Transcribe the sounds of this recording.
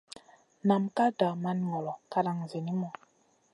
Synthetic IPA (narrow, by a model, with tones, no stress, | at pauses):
na˨mka˦da˨ma˦nŋɔ˨lɔ˨ka˦ɾa˨ŋze˨ni˦mɔ˨